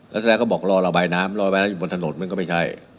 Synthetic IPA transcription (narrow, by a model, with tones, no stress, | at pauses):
lɛ˦˥t̪ʰːɛː˦˥˩kʰːbɔː˨˩k̚ɾɔː˧ɾa˧baː˧jnaː˦˥mɾlɔː˧ɾaː˧jnaː˦˥juː˨˩bo˧nt̪ʰa˧no˨˦nm˧˥˧nkɔː˥˩ma˥˩t͡ɕʰa˥˩j